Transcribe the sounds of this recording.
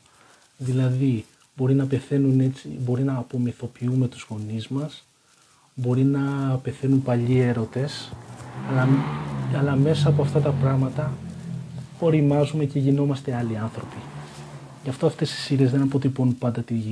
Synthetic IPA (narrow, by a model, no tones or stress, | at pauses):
ðilɐði | bo̞ɾinɐpe̞θe̞nune̞t͡sibo̞ɾinɐːpo̞miθo̞piume̞t̪uz̥ɣo̞nizmɐs | bo̞ɾinɐpe̞θe̞numpɐʎie̞ɾo̞t̪e̞s | ɐɐlɐme̞sɐːpo̞ɐft̪ɐt̪ɐpɾɐɣmɐt̪ɐ | o̞ɾimɐzume̞ce̞ʝino̞mɐst̪e̞ɐliɐnθɾo̞pi | ʝɐft̪o̞ɐft̪e̞si̥siɾe̞zðe̞nɐpo̞t̪iponupɐnd̪ɐt̪iʝi